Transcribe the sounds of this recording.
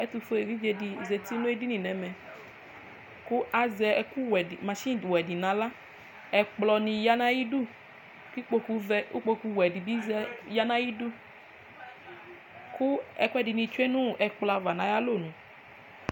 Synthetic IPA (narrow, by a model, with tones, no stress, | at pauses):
ɛ˦tu˧fo˦e˨ɾi˦ve˧di˧˨ze˨ti˦nũ˦e˦di˦nĩ˨nɛ̃˨mɛ̃˨ | ku˦ʔa˨zɛ˧ɛ˨ku˦wɛ˨di˨mã˨ʃi˦˨dwɛ˨di˨nã˨˦la˦ | ɛ˨k͡plɔ˧nĩ˧ja˦nã˦ji˦du˦ | ki˦k͡po˧ku˧vɛ˦u˦k͡po˧ku˧wɛ˨di˨bi˦zja˦nã˦ji˦du˦ | ku˦ɛ˨ku˦ɛ˦di˨nĩ˧t͡ʃu˦e˦nũ˦˨ʔɛ˨k͡pla˧va˨nã˨˦ja˦lo˦˨nũ˨